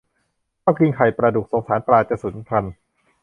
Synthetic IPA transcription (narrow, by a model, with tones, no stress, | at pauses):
kʰaː˥˩ki˧ŋkʰa˨˩jpɾa˧du˨˩k̚so˩˦ŋsaː˩˦npɾaː˧t͡ɕa˨˧˩su˨˩˦n˥kʰa˧n